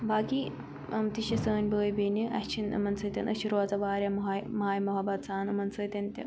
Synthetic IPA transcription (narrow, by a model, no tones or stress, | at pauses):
baːki | ɐmt̪iɕɐsəːnʲbəːjbeniʔɐ̰t͡ʃʰinɐ̰mɐnsəːt̪ʲɐnʔɐ̰ɕiɾʋaːt͡sɐbaːɾʲjɐmɦmɐɦaːjmoɦɐbɐt̪saːnɐmɐnsəːt̪ʲɐnt̪ʲɐ